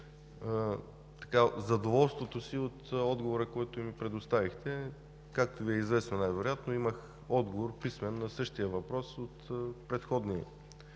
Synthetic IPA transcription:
t̪ɐ̥kazɐd̪ovɔlˠst̪vot̪osiot̪ɔd̪ɡovoɾəkoɛt̪ʊimipɾɛd̪ost̪avixt̪ɛ | kak̚t̪oviɛizvɛsnonajvɛɾojat̪noimɐx | ɔd̪ɡovoɾpismɛnːɐsɤʃt̪ijəvɐpɾɔsot̪pɾɛt̪xɔd̪niɛ̰

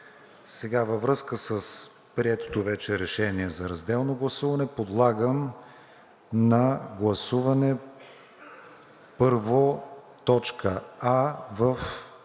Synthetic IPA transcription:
sɛɡavəvɾɤskəsəs | pɾiɛt̪o̥t̪ovɛt͡ʃɛɾɛʃɛniɛzɐɾɐzd̪ɛlˠnoɡlˠɐsuvɐnɛpod̪lˠaɡəm | nɐɡlˠɐsuvɐnɛ | pɤɾvot̪ɔt͡ʃkʰəavəf

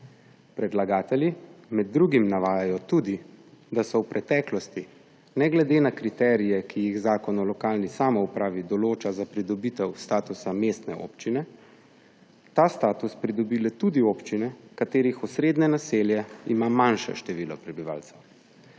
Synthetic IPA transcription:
pɾɛd̪laɡaːt̪ɛljimɛd̪̚ːɾuːɡimnaʋaːjajɔt̪uːd̪id̪asɔwpɾʔɛt̪ɛːklɔst̪i | nɛɡlɛd̪enakɾit̪ɛːɾijɛkijiɣzaːkɔnɔlɔkaːlnisaːmɔupɾaːʋid̪ɔloːt͡ʃazapɾid̪ɔbit̪ɛwst̪aːt̪usamest̪nɛ̰o̰ːpt͡ʃinɛ | t̪ast̪aːt̪uspɾid̪ɔbilɛt̪ud̪ioːpt͡ʃinɛkat̪eːɾixusɾeːd̪nɛnaseljɛimamanʃɛ̰ʃt̪ɛʋiːlɔ̰pɾɛbiʋa̰ːlt̪sɛw

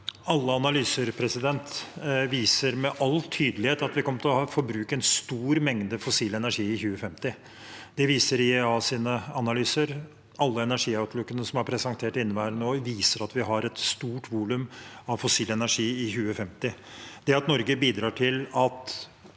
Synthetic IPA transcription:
ɑlːəɑnɑlyːsəɾpʰɾɛsɪd̪ɛnt̪ʋiːsəɾmɛʔɑlːt̪ʰyːd̪əlɪheːt̪ɑt̪ʋɪkɔmːət̪ʰɪlɔhɑːfɔɾbɾʉːkəɛnst̪uːɾmɛŋd̪əfɔsiːlɛnæʂiːɪçʉːəfɛmt̪ɪ | d̪̥ɛʋiːsəɾɪɛɑːsiːnəɑnɑlyːsəɾ | ɑlːəɛnæʂiːɑʉt̪ʰlʊkːənəsɔmɑɾpʰɾɛsɑŋt̪ʰeːʈɪnːəʋæːɾənoːʋiːsəɾɑt̪ʋɪɦɑɾɛt̪st̪uːʈʋuːlʉmɑʋfɔsiːlɛnæʂiːɪçʉːəfɛmt̪ɪ | d̪̥ɛɑt̪nɔɾɡəbiːd̪ɾɑːʈʰɪlɑt̪

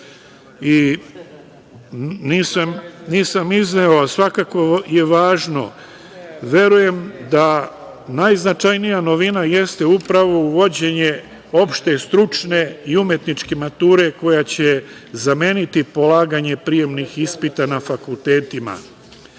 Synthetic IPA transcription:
i | niːsamniːsamizneoasʋakakoje̞ʋaːʒno̞̰ | ʋje̞ɾuje̞md̪a | najznat͡ʃajnijano̞ʋinaje̞st̪e̞upɾaʋo̞uʋo̞d͡ʑe̞ɲe̞ | o̞pʃt̪e̞st̪ɾut͡ʃne̞iumje̞t̪nit͡ʃke̞mat̪uːɾe̞ko̞jat͡ɕe̞ | zame̞ːnit̪ipo̞laːɡaɲe̞pɾije̞mnixispit̪anafakulˠt̪e̞ːt̪ima̰

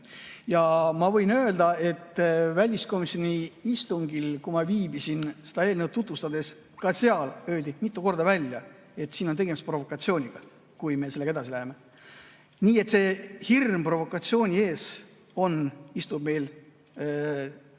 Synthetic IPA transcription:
jɑmɑvɤ̞jnøld̪ɑe̞t̪ːvælʲisko̞miso̞nʲiist̪uŋɡilkumɑviːbisinse̞d̪̥ɑe̞ːlnewt̪t̪ːut̪vust̪ɑd̪e̞s | kɑseɑlø̞ːld̪imit̪ːˑuko̞rd̪ɑvælʲjɑ | e̞t̪siːno̞nt̪e̞ɡe̞mist̪pro̞vo̞kːˑɑt̪sio̞ːnʲiɡ̥ɑ | kujme̞se̞lːeɡɑed̪ɑsilæɦeme | niːe̞t̪se̞hirmpro̞vo̞kːˑɑt̪sio̞ːnʲie̞ːs | o̞nist̪ub̥̚me̞jl

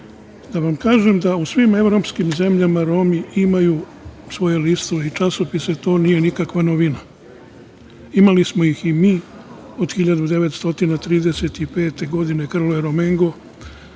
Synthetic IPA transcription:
d̪aʋamkaːʒe̞md̪ausʋime̞ʋɾo̞ːpskimze̞mʎamaɾo̞miimajuː | sʋo̞je̞list̪oʋeit͡ʃaso̞pise̞t̪o̞ːnije̞nikakʋanoʋina | imalismo̞jiximiː | o̞d̪xiʎad̪ud̪e̞ʋe̞t̪st̪o̞t̪inat̪ɾiːd̪e̞se̞t̪ipe̞ːt̪e̞ɡo̞d̪ine̞kr̩lojeɾomeŋɡo̞

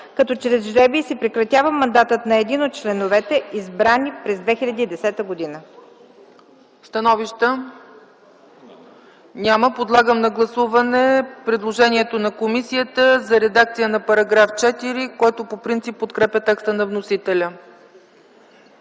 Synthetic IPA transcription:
kɐt̪ɔt͡ʃɾɛzʒɾɛbisipɾɛkɾɐt̪ʲjavəmːɐnd̪at̪ət̪nɐɛd̪inot̪̚t͡ʃlɛnovɛt̪ɛʔizbɾanipɾɛzd̪vɛxʲilʲɐd̪iːd̪ɛsɛt̪əɡod̪inə | st̪ɐnɔviʃt̪ə | nʲaməpod̪lˠaɡəmnɐɡlˠɐsuvɐnɛpɾɛd̪lˠoʒɛnʲiɛt̪onɐkomisijət̪əzɐɾɛd̪ak̚t̪sijənɐpɐɾɐɡɾaft͡ʃɛt̪iɾikɔjt̪opopɾint̪sipːot̪kɾɛpʲət̪ɛkst̪ənɐvnosit̪ɛlʲə

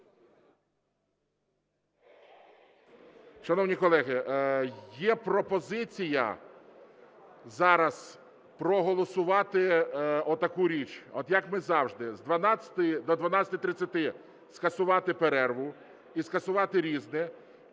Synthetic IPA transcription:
ʃɐnɔwnʲikɔlˠɛɦɪ | jɛpɾɔpɔzɪt͡sʲijɐ̰ | zɑɾɐs | pɾɔɦɔlˠɔsʊʋɑt̪ɪɔt̪ːɐkuɾʲit͡ʃɔt̪jɐkmɪzɑwʒd̪ɪzd̪ʋɐnɑt͡sʲɐ̥t̪ɪd̪ɔd̪ʋɐnɑt͡sʲɐt̪ɪjt̪ɾɪt͡sʲːɐt̪ɪ | skɐsʊʋɑt̪ɪpeɾɛrʋʊ | iskɐsʊʋɑt̪ɪɾʲiznɛ

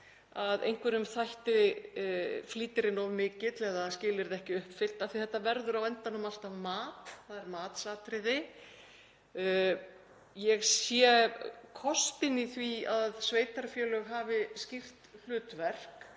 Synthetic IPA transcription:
aðḛjŋ̥kʰvɛɾʏmθajht̪ɪ | fliːt̪ɪɾɪnɔvmɪcːɪt̪lɛðascɪːlɪɾðɛhcɪʏhpfɪl̥t̪aðθiθɛht̪ːavɛɾðʏɾawɛnt̪anːʏmal̥t̪avmaːt̪θaðɛɾmaːt̪saːt̪ɾɪðɪ | jɛɣsjɛkʰɔst̪ɪniθviaðsveːjt̪aɾfjœːlœɣɦaːvɪscɪr̥t̪l̥ʏːt̪vɛr̥k

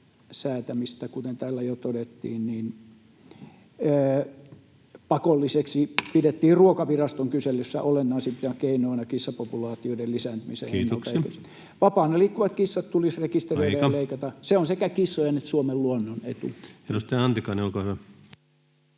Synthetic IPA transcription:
sæːt̪æmist̪ækut̪ent̪æːlːæjot̪odet̪ːḭːnniːn | pɑkolːiseksipidet̪ːiːrruokɑʋirɑst̪oŋkyselːysːæ̰ʔolenːɑˑːsip̪j̪ɑkeinoˑinɑkisːɑpopulɑːt̪ioidelisænt̪ymisḛenːltsɑeks | ʋɑpɑːneliːkːuʋɑt̪kisːɑt̪t̪ulisrekist̪ereilæjleikɑt̪ɑseonsekækisːojenet̪suomelluonːonḛt̪ṵenust̪eæɑnt̪ikɑniolkohyʋæ

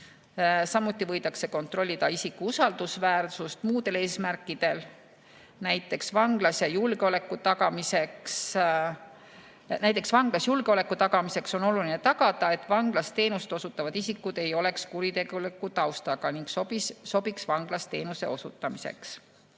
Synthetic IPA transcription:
sɑmːut̪ˑːivɤ̞jd̪̥ɑkse̞ko̞nt̪ro̞lʲːid̪̥ɑisikːuusɑld̪̥usvæːrsust̪muːd̪̥e̞le̞ːsmærkːˑid̪̥e̞l | næjt̪ːˑe̞ksvɑŋɡ̥lɑsjɑjulɡ̥eo̞le̞kːˑut̪ɑɡɑmise̞ks | næjt̪ːˑe̞ksvɑŋɡ̥lɑsjulɡ̥e̞o̞le̞kːut̪ɑɡɑmise̞kso̞no̞lulinet̪ɑɡɑd̪̥ɑe̞t̪ːˑvɑŋɡ̥lɑst̪e̞ːnuset̪osut̪ːˑɑvɑd̪̥isikːˑud̪̥e̞jo̞le̞kskuɾit̪e̞ɡulikːˑut̪ɑwst̪ɑɡ̥ɑniŋksoiso̞b̥iksvɑŋɡ̥lɑst̪e̞ːnuse̞̰o̞sṵt̪ːˑɑmise̞̰ks

